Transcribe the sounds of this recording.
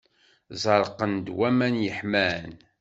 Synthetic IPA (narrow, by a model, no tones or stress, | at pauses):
zˤɑɾˤqːənd̪wæmænjəħmæn